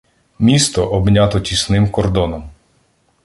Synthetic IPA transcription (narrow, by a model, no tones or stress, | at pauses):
mʲist̪ɔʔɔbnʲat̪ɔtʲisnɪmkɔrd̪ɔnɔm